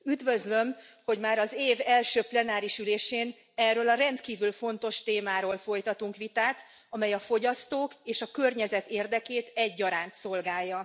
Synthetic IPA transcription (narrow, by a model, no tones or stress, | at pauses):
yd̪vø̞zlø̞mho̞ɟmaːɾɒzeːvɛlʃøːplɛnaːɾiʃyleːʃeːn | ɛrøːlɒɾɛnt̪kiːvylfo̞nt̪o̞ʃt̪eːmaːɾoːlfo̞jt̪ɒt̪uŋkʋit̪aːt̪ | ɒmɛjɒfo̞ɟɒst̪oːkeːʃɒkø̞rɲɛzɛt̪eːrd̪ɛkeːt̪ɛɟːɒɾaːnt̪so̞lɡaːjːɒ